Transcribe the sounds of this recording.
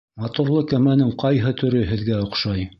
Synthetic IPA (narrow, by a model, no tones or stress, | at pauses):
mɑt̪uɾlˠɤkæmænɘŋqɑjɦɤt̪ɵ̆ɾɵɦɘ̆ðɡæŏqʃɑj